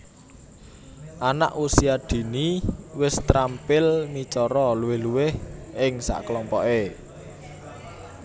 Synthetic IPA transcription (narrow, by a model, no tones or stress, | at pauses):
ʔana̰ʔusiad̪̥i̤niwɪst̪ɾampɪlmit͡ʃɔɾɔluwɪhluwɪhɪŋsa̰ʔklɔmpɔʔe